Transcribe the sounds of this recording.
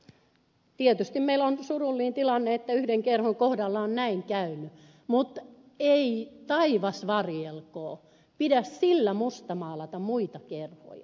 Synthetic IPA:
t̪iet̪yst̪immeilonsurulːiːnt̪ilɑnːeet̪ːæyhdeŋkerhoŋkohdɑlːɑonnæiŋkæyny | mut̪ | eit̪ɑiʋɑsʋɑrjelkoː | pidæssilːæmust̪ɑmɑːlɑt̪ɑmuit̪ɑkerho̰jɑ̰

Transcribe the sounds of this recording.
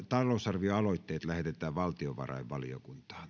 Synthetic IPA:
t̪ɑlˑoˑusɑrʋioɑloˑit̪ːeːt̪læhet̪et̪ˑæːʋʋɑlt̪ioʋɑ̰rɑ̰ˑiʋʋɑlijo̰kunt̪ɑ̥ːn

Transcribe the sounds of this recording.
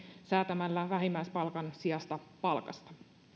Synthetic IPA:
sæːt̪æmælːæʋæɦimːæispɑlkɑnsiɑst̪ɑpɑlkɑ̰st̪ɑ̥

